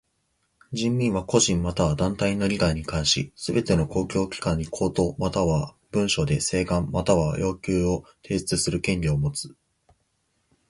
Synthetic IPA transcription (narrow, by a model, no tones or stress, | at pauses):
d͡ʑĩmːʲĩɰ̃βako̞ʑĩmːat̪aβad̪ãnt̪ainːo̞ɾʲiɡaiɲ̟ikãɰ̃ɕḭsɨbe̞t̪e̞no̞ko̞ːkʲo̞ːkʲi̥kãɲ̟ːikʰo̞ːt̪o̞ːmat̪aβa | b̥ɯ̟̃ɰ̃ɕo̞d̪e̞se̞ːɡãmmat̪aβajo̞ːkʲɨːo̞t̪ʰe̞ːsɨ̥t͡sɨsɨɾɯ̟kẽ̞ɲɾʲiomo̞t͡sɨ̥